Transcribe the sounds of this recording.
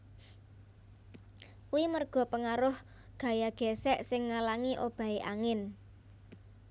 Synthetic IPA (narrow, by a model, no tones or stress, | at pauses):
kuwimərɡ̥ɔ̤pəŋaɾʊh | ɡ̥ä̤jaɡ̥ɛ̤sɛʔsɪŋːalaŋiʔob̥a̤iʔaŋɪn